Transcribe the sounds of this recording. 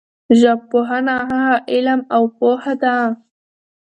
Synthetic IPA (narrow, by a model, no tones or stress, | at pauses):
ʒapoɦanaɦaɦaʔɪlamawpohad̪a